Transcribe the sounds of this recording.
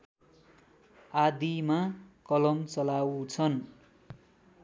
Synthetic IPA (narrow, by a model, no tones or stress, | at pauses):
ad̪imakʌlʌmt͡sʌlawt͡sʰʌn